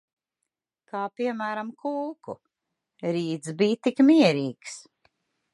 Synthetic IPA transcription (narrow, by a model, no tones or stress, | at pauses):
kaːpiɛmæːɾamkʰulˠkṵ | ɾiːd̪sbiːt̪ikmiɛɾiːks